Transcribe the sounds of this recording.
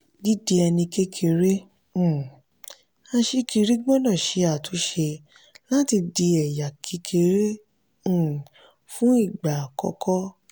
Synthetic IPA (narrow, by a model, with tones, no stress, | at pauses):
di˦di˧ɛ˧nĩ˧ke˦kʰe˧ɾẽ˦˨ | ã˧ʃe˧ki˧ɾi˦ɡ͡bɔ˦nã˦˨ʃe˨˧˦a˨tʰo˨˦ʃe˧ | la˦ti˧di˧ɛ˨ja˨kʰi˨˧˦kʰe˧ɾẽ˦˨ | fũ˦i˦˨ɡ͡ba˨kɔ̰˨˧kɔ˦